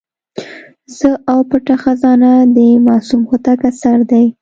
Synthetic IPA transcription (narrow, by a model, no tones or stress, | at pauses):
zəawpəʈaxazɑnad̪əmɑsumxot̪akasaɾd̪aj